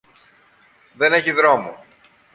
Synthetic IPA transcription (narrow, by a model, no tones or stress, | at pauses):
ðe̞ne̞çiðɾo̞mo̰